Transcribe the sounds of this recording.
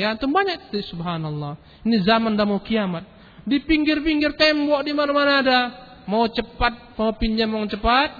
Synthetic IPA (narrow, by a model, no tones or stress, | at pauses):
jat̪uŋbaɲak̚t̪i̥t̪subɦanalːa | inizamandamaukiamat̪̚ | dipiŋɡɪrpiŋɡɪrt̪ɛmbɔʔdimanamanaːda | maut͡ʃəpat̪̚maupiɲd͡ʒamat͡ʃəpat̪̚